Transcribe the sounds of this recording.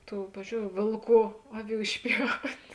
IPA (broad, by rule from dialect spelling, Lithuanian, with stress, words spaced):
ˈtuː ˈpɑːʋʲɪzʲd͡ʒʲoːʊ ˈʋʲeːlˠˌkuː ˈɑːˌʋʲuː ɪʃʲˈpʲjɛʊtʲ